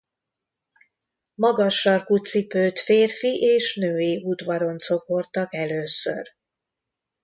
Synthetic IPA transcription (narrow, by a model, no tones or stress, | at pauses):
mɒɡɒʃːɒrkut̪sipøːt̪feːrfiʔeːʃnøːjiud̪ʋɒɾo̞nt̪so̞po̞rt̪ɒkɛløːsø̰r